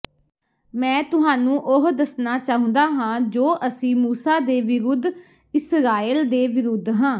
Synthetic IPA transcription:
mɛ̃ːt̪ʊɦaːnũːʔʊɦd̪əsnaːt͡ʃaːɦʊ̃nd̪aːɦãːd͡ʒoːʔəsĩːmuːsaːd̪eːʋɪɾʊd̪ | ɪsɾaːild̪eːʋɪɾʊd̪ʱɦãː

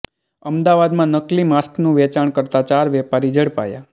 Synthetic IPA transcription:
əmd̪aʋad̪mãnəklimasknũʋɛt͡ʃaɳkəɾt̪at͡ʃaɾʋɛpaɾid͡ʒəɽpa̰ja̰

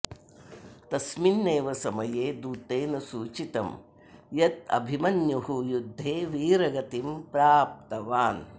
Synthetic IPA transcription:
t̪ɐsminːeːʋɐsɐmɐjeːd̪uːt̪eːnɐsuːt͡ʃit̪ɐ̰m | jɐt̪̚ɐ̰bʱimɐnjuɦujud̪ʱːeːʋiːɾɐɡɐt̪impɾaːp̚t̪ɐʋaːn

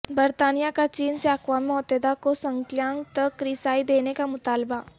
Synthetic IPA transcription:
bɐɾt̪aːnijakat͡ʃiːnseakʋaːmiɔːt̪ed̪akosɐ̃ŋkljãːŋɡ̚t̪ɐkːɾisaːid̪eːnekamʊt̪aːlba

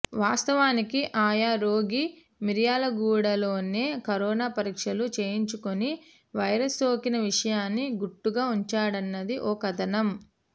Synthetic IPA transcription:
ʋaːst̪ɐʋaːnikiʔaːjaːɾoːɡi | miɾjaːlɐɡuːɽɐlo̞ːneːkɐɾɔːnaːpɐɾiːkʂɐlut͡ʃe̞ːjiɲt͡ʃukoni | ʋɐjɾɐsoːkinɐʋiʂɐjaːnːiɡuʈːuɡaːuɲt͡ʃaːɽɐnːɐd̪iʔɔːkɐt̪ɐnɐm

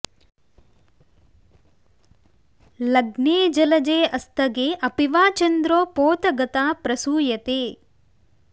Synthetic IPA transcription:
lɐɡneːd͡ʒɐlɐd͡ʒeːɐst̪ɐɡeːʔɐpiʋaːt͡ʃɐnd̪ɾoːpoːt̪ɐɡɐt̪aːpɾɐsuːjɐt̪eː

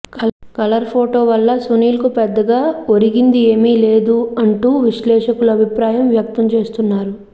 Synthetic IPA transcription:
kɐlɐɾpʰoːʈoːʋɐlːɐsuniːlɐkupɛd̪ːɐɡaːoɾiɡind̪ie̞ːmiːle̞ːd̪uɐɳʈuːʋiʃlɛːʂɐkuluɐbʱipɾaːjɐmʋjɐk̚t̪ɐmt͡ʃe̞ːst̪unːaːɾu

